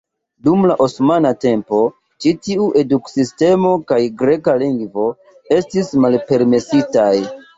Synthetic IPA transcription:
dumlaʔosmanate̞mpo̞ | t͡ʃitiuʔe̞duksiste̞mo̞kajɡɾe̞kaliŋɡvo̞ | e̞stismalpe̞ɾme̞sitaj

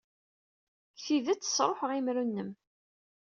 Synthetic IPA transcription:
kθiðæt͡sːə̥sˤɾˤoħəʁimɾunːəm

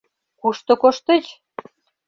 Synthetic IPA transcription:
kuʃt̪ŏkoʃt̪ĕt͡ɕ

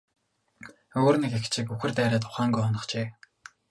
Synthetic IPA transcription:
oːrnekext͡ɕʰikuxɘ̆rt̪æːɾæːt̪ʰʊ̥χaːŋɡujɔnɞ̆χt͡ɕeː

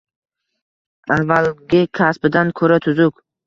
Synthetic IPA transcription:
avːalɡʲɪkʲʰasbɪd̪ankʰɵɾat̪ʰʊzʊk

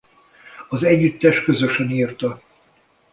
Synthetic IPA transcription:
ɒzɛɟːyt̪ːɛʃt̪kø̞zøʃøniːrt̪ɒ

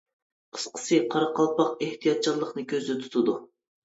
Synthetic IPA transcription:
qʰə̥sqʰə̥sɨqʰɑɾɑqʰɑlˠpɑqeht̪ʰijɑt̪̚t͡ʃʰɑlˠːəqnɨkʲʰøzd̪ɪt̪ʰu̥t̪ʰud̪u

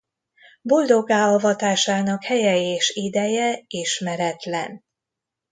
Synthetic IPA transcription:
bo̞ld̪o̞ɡaːɒvɒt̪aːʃaːnɒkhɛjɛeːʃid̪ɛjɛiʃmɛɾɛt̪lɛ̰n

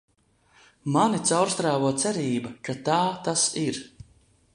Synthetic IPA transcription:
manit̪sawɾst̪ɾaːvuːt̪sɛɾiːbakat̪aːt̪asiɾ

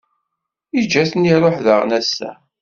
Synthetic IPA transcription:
id͡ʒːæθniɾˤoħðəʁnæsːæ̰

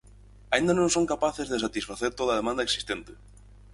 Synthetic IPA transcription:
aĩnd̪ɐnõŋsõŋkapaθezðes̬at̪isfaθeɾt̪oðɐð̞emãnd̪ɐeksi̥st̪ent̪ɪ̥

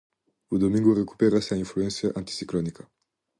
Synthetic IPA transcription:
ud̪omĩŋɡureku̥peɾasainfluent̪səʔãnt̪i̥siklonika

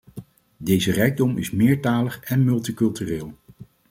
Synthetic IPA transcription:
dejzərɛjɡ̚dɔmʔɪ̰smɪːɹtaːləχɛnmɵlˠtikɵlˠtyːreːlˠ

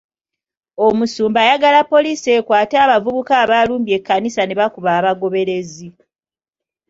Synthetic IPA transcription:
o̞musuːmbaːjaɡalapːo̞liːsie̞ːkwaːtaːβavuβukaːβaluːmbje̞kːanisaneβakuβaːβaɡo̞βe̞ɾe̞zi

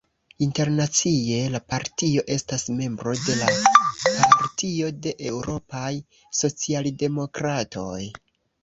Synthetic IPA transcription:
inte̞ɾnat͡sie̞lapaɾtio̞ʔe̞stasme̞mbɾo̞de̞lapaɾtio̞de̞ʔe̞wɾo̞paj | so̞t͡sialde̞mo̞kɾato̞̰j

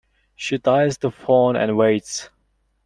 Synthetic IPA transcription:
ʃidaɪzðəfɔːnɨ̰̃nweɪts

